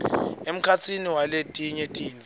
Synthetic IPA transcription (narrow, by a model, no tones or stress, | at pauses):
em̩kʰat͡sʰiniwaletʼiɲetʼiːni